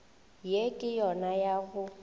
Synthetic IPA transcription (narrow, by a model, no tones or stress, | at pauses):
jekʼɪjɔnajaɣʊ